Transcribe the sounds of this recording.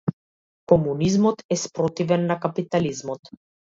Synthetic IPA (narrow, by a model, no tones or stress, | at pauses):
kɔmunizmɔt̪ɛspɾɔt̪ivɛnːakapit̪alizmɔt̪